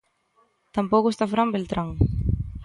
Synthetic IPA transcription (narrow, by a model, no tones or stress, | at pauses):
t̪ampokust̪afɾambelt̪ɾaŋ